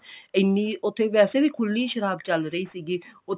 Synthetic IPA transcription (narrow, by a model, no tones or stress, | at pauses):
ɪnːiːʊt̪ʰːeːʋɛːseːʋiːkʰʊlniːʃəɾaːb̚t͡ʃəlɾəiːsiːɡiːʊ